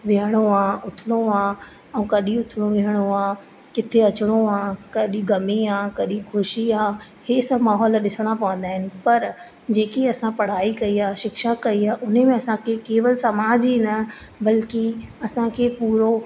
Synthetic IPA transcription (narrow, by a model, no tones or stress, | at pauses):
ʋɪɦəɽ̃oãːʊt̪ʰɪɽ̃oãː | ɛ̃ũkɐɗĩʊt̪ʰɪɽ̃oʋɪɦəɽ̃oãː | kɪt̪ʰeɐt͡ɕɪɽ̃oãːkɐɗĩɡɐmiaːkɐɗĩxʊʃiaː | heːsɐbmaːɦɔːlɗɪsəɽ̃apɐʋə̃nd̪aːɦɪnɪ̆pɐɾ | d͡ʑeːkiɐsãpɐɽ̤aːikɐiaːʃɪkʃakɐiaːʔʊn̤emẽɐsãkʰekeːʋəlsɐmaːd͡ʑinɐbɐlkiɐsãkʰeːpuːɾo